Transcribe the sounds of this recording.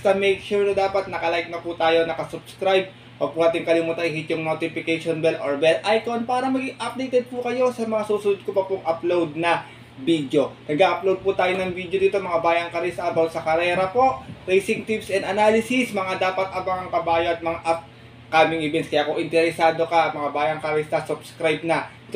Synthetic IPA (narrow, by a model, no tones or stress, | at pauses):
st̪ɐmɛjkʃuɹnɐd̪aːpɐt̪̚nɐkɐlajk̚nɐput̪aːjo̞nɐkɐsʊbskɾajb̚ | wɐɡ̚puːnaːt̪ɪŋkɐlɪmuːt̪ɐʔɪhit̪jʊŋnot̪ɪpɪkɛjʃonbɛloɹbɛlʔajko̞npaːɾɐmɐɡɪŋʔap̚d̪ejt̪ɛd̪̚pukɐjo̞sɐmɐŋasuːsʊnʊd̪̚kopɐpʊŋʔɐplowd̪̚nɐ | biːd̪jo̞nɐɡaːʔɐplowd̪̚put̪aːjonɐŋbid̪jod̪iːt̪omɐŋabaːjɐŋkɐɾɛsɐʔɐbaw̪sɐkɐɾɛːɾɐpo̞ʔɾejsɪŋt̪ipsʔɛnd̪ɐnalɪsɪsmɐŋad̪aːpɐt̪̚ʔɐbɐŋɐŋkɐbaːjoɐt̪̚mɐŋaʔɐp̚ | kaːmɪŋɪbɛnskɐjaːkoʔɪnt̪ɛɾɛsaːd̪o̞kɐʔɐt̪̚mɐŋabaːjɐŋkɐɾɛst̪ɐsʊb̥skɾajb̚nɐʔɪt̪